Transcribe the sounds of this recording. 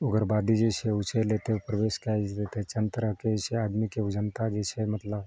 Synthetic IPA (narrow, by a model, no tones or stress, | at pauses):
ʊɡəɾbad̪id͡ʒet͡ʃʰeʊt͡ʃelet̪epɾəʋeskajd͡ʒt̪et̪et͡ʃənt̪əɾəɦket͡ʃʰeaːd̪mikeʊd͡ʒənt̪ad͡ʒet͡ʃʰemət̪ləb